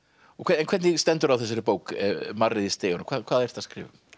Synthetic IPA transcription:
ɔkʰɛɛnkʰwɛd̪nist̪ɛnt̪ʊɾawθɪs̬ɛɾəbowkə̰marɪðɪst̪eːɔnɔkʰvaːðkʰaːðɛjr̥θaskɾɪ̰ːvʏm

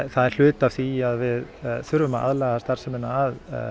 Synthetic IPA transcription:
θaðɛɾ̥l̥ʏːt̪av̥θiaðvɪðθʏɾvʏmaða̰ðlɛɣast̪aɾ̥sɛmɪnaːð

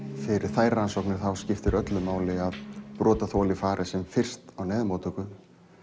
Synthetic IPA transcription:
fɪɾɪɾ̥θaːjɾaɾansɔwknɪɾ̥θawscɪft̪ɪɾʔœt̪lʏmaːwlɪaðpɾɔːt̪aθɔːlɪfaːɾʔɪsɛmfɪr̥st̪awnɛːðmɔːt̪ʰʏkʏ

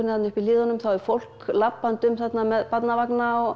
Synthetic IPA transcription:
ʏnɪθat̪nʏhpiliːðanʏmθawɛɾ̥fowl̥klapːant̪ʏmθat̪namɛðpat̪navaknaɔ

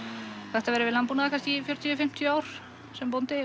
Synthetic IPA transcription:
θɛht̪avɛːɾɪvɪlampunaðakʰanscifjœɾ̥t̪ʰjʏfɪm̥t̪ʰjœaːwɾ̥ | sɛmpownt̪ɪ

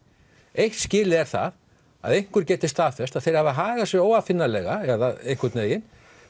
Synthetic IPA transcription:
ejht̪scɪːlɪɛɾ̥θa̰ð | a̰ðejŋ̥kʏɾ̥cɛːt̪ɪst̪θaːfɛst̪aðθejɾ̥havðaɦaːɣasjɛoːwafɪnːalɛɣaɛðaejŋkʏɾt̪neːjɪn

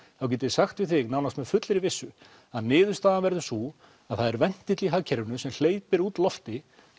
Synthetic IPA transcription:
θawc̬ɛːt̪ɪsaxt̪vɪðθɪɣnawnast̪mɛðfʏt̪lɪɾivɪsːʏ | aðnɪːðʏst̪aːðanvɛɾðʏsu | aðθaðɛɾvɛn̥t̪ɪt̪liɦacʰɛɾʏnʏsɛml̥eːjpɪɾuːt̪lɔft̪ɪ

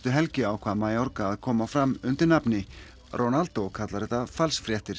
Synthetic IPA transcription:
t̪ʏɦɛlcɪawkʰv̥aːðmaːjɔɾkaːðkʰɔːmafɾamʏnt̪ɪɾnapnɪ | rʔɔnalt̪okʰat̪laɾɛt̪afalsfɾjɛht̪ɪɾ̥

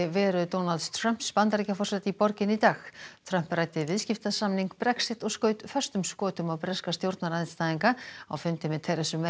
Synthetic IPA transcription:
ɪvɛːɾʏt̪ownalt̪st̪ʰɾœm̥pspant̪aɾicafɔrsɛt̪ipɔɾcɪnit̪aːxt̪ʰɾœm̥prajt̪ɪvɪðscɪft̪asamniŋkpɾɛksɪt̪ɔɣskœːɥt̪fœr̥st̪ʏmskɔːt̪ʏmawpɾɛskast̪jowɾt̪naɾaɪnst̪aːðiŋkaa̰wfʏnt̪ɪmɛðt̪ʰɛjɾɛsʏmːe

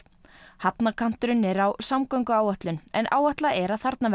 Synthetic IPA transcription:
hapnakʰam̥t̪ʏɾʏnɛɾawsamkœɥŋkʏaːwaht̪lʏnɛnʔa̰ːwaht̪laʔɛɾaðθaɾt̪nav

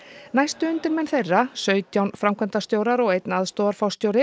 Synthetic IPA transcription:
najst̪ʏʏnt̪ɪɾmɛnθejrːasœːɥt̪jawnfɾamkʰvɛnt̪ast̪joːwɾaɾɔɣejt̪naðst̪oːwðaɾ̥fawst̪jowɾɪ

